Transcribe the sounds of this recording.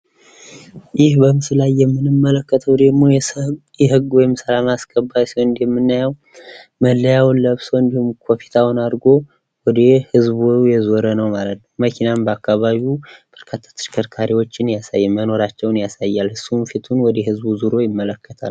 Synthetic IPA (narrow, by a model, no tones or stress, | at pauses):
jɪhbəmɨsɨlajːɛmːɨnɨmːələkːət̪ʰəwd̪əɡmojɛɦɨɡwɔjɪmsəlamaskʼəbːajsiwɨnd̪jɛmːɨnːajɛw | məlːəjawləβsəwɨnd̪ihumkʰopʰi̥t̪ʰawnad̪ɡo̞ | wɔd̪ehɨzbjɛzoɾənəwmalət̪nəwməkʰinambəakʰːaβaβiub̥əɾkʰat̪ʰːḁt̪ʰɨ̥ʃkʰəɾkʰaɾiwo̞t͡ʃːɪnjasa̰jːɛmməno̞ɾat͡ʃːɛwnjasajːalhɨsːunfit̪ʰunwɔd̪ɛhɨzbuzuɾo̞jɪmːələkːət̪ʰa̰l